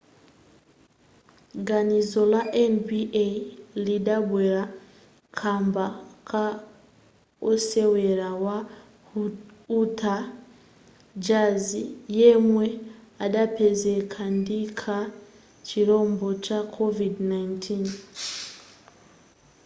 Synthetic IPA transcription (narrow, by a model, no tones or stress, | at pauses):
ɡanizo̞laʔenbielidabweɾa | kʰaːmbakʰa | oseweɾawa | utʰa | d͡ʒazijemweadapʰezekʰandikʰa | ciɾo̞ːmbo̞t͡ʃakʰovidnaintʰin